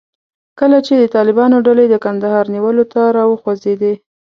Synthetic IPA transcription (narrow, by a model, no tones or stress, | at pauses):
kəlat͡ʃed̪ət̪ɑlɪbɑnoɖaled̪əkand̪ahɑɾniwəlot̪aɾɑwəxozed̪e